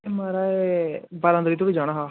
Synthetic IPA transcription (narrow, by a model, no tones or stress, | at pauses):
maːɾaebaɾãːnd̪ɾiːt̪̬uɽid͡ʒaːɽ̃aːɦaː